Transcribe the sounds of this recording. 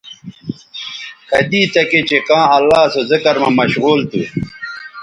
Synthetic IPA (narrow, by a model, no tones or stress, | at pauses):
kɐd̪iːt̪ɐket͡ɕekãːɐlːaːsozɪkɐɾmãmɐɕɣuːlt̪u